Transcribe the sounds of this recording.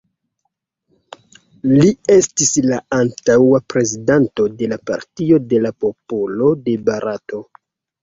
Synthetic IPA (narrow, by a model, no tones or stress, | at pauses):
lie̞stislaantawapɾe̞zidanto̞de̞lapa̰ɾtio̞de̞lapo̞polo̞de̞baɾato̞